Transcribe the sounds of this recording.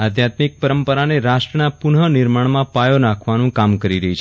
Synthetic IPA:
ad̪ʱjat̪mik̚pəɾəmpəɾaneɾaʃʈɾənapuɳɦənɪɾmaɳ̃mãpajonãkʰʋanũkamkəɾiɾəɦit͡ʃʰ

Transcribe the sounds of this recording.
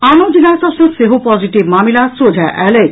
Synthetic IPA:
anod͡ʑinasɔʃeseɦopɔd͡ʑiʈibmamilasɾod͡ʑʱaʔɛle

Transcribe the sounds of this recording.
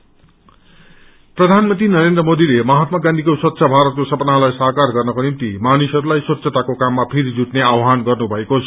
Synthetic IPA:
prʌd̪ʱanmʌnt̪inʌɾend̪rʌmod̪ilemʌɦat̪maɡãnd̪ʱikoswʌt̪ːsʰabʱaɾʌt̪̚kosʌpʌnalajsaɦkarɡʌrnʌkonimt̪imanisʌɾulajswʌt̪ːsʰʌt̪akokamːapʰeɾid͡zuʈneawɦanɡʌrnubʱʌekot͡sʰʌ̥

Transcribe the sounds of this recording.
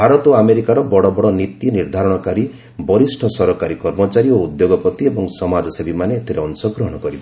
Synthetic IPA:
bʱaɾɔt̪ɔameɾikaɾɔbɔɽɔbɔɽɔnit̪iniɾd̪ʱaɾɔɽ̃ɔkaɾi | bɔɾisʈʰɔsɔɾɔkaɾikɔɾmɔt͡ʃaɾioud̪joɡɔpɔt̪iebɔŋsɔmad͡ʒɔsebimaneːt̪ʰeɾeɔnsɔɡɾɔɦɔɽ̃ɔkɔɾibɔ

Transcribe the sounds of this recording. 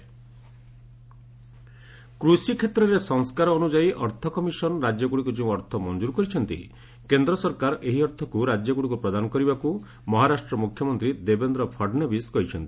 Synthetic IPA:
kɾusikʰet̪ɾɔɾesɔŋskaɾɔːnud͡ʒaiʔɔɾt̪ʰɔkɔmisɔnɔɾad͡ʒjɔɡuɽikud͡ʒĩũɔɾt̪ʰɔmɔnd͡ʒuɾkɔɾit͡ʃʰɔnt̪ḭ | kend̪ɾɔsɔɾkaɾʔeɦiɔɾt̪ʰɔkuɾad͡ʒjɔɡuɽikupɾɔd̪anɔkɔɾibaku | mɔɦaɾasʈɾɔmukʰjɔmɔnt̪ɾid̪ebend̪ɾɔpʰɔɾɖnebiskɔɦit͡ʃʰɔnt̪i̥

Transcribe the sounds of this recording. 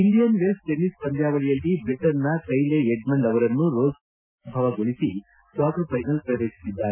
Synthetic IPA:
inɖ̪ijɐnʋesʈenispɐɲd̪jaːʋɐɭijɐlːibɾiʈɐnːɐkɐjleeɖmɐɳɖɐʋɐɾɐnːuɾoːz | bʱɐʋɐɡoɭisi | sʋaːkɾɐpʰɐjnɐlpɾɐɾeːki̥sid̪ːaːɾe

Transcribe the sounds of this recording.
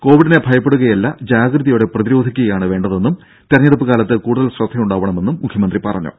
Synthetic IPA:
ko̞ːʋiɽinebʱɐjɐpːeɽuɣɐjɐlːɐd͡ʑaːɡɾɨðijoːɽe̞prɐðiɾo̞ːd̪ʱikʲːuɣɐjaːɳɨʋe̞ːɳɖɐðe̞nːum | t̪erɲːɐɽɐpːɨɣaːlɐt̪ːɨkuːɽuðɐlsrɐd̪ʱɐmuɳɖaːʋɐɳɐme̞nːumːukʰjɐmɐnd̪ripɐrɐɲːṵ

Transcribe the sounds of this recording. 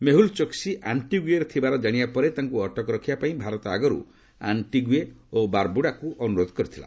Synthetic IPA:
meɦult͡ʃɔksiʔaɳʈiɡueɾet̪ʰibaɾɔd͡ʒaɽ̃ibapɔɾet̪aŋkuɔʈɔkɔɾɔkʰibapaĩbʱaɾɔt̪ɔaɡɔɾṵ | a̰ɳʈiɡueobaɾbuɽakuʔɔnuɾod̪ʱɔ̥kɔɾit̪ʰila̰

